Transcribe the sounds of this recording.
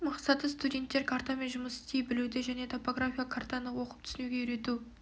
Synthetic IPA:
mɑqsɑt̪əst̪udʲe̞nt̪ːe̞ɾkʰart̪ame̞nʒʊməsɪ̥st̪ejbɪlud̪ɪʒæne̞t̪ʰo̞po̞ɡrafʲijakʰart̪ɑnəwo̞qəpt̪ʰʏ̥sɪnuɡʲe̞ʏɾe̞t̪u

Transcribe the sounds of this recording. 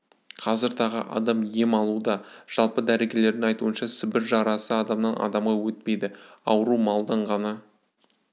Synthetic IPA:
qʰɑzəɾt̪ʰɑʁə̰ʔɑ̰d̪ɑmje̞mɑlˠud̪ɑʒ̥ɑlˠpəd̪æɾe̞ɡʲe̞le̞ɾd̪ɪŋɑjt̪uənʃɑsɪbɪɾʒɑɾɑsəɑd̪ɑmnɑnʔɑ̰d̪ɑmʁɑwɵt̪̚pe̞jd̪ɪɑwəɾumɑlˠd̪ɑɴʁɑnɑ

